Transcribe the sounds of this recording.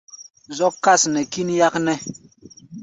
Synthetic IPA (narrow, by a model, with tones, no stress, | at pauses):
zɔ˦kːa˦˨snɛ˨ki˦nja˦knɛ˦